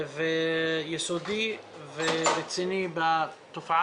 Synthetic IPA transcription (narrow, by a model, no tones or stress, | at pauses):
vejesod̪i | veʁet͡sinibat̪ofa